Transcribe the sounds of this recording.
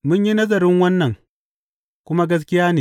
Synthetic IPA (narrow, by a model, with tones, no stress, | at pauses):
mʊ˦ɲji˦nɐ˦zɐ˨ɾɪ˦ŋwɐ˦nːɐ˨ŋ | kʷʊ˦ma˦ɡɐ˦s̬kʲɪ˦jaː˦neː˨